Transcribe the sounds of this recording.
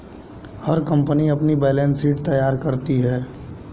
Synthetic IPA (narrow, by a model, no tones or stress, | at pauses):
hɐɾkɐ̃mpəniɐpnibeːleːnsiːʈ̚t̪ɐjaːɾkɐɾt̪iɦɛː